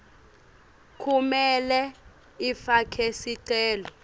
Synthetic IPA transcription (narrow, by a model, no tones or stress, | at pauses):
kʰumɛlɛ | ifakʰesiǀɛːlɔ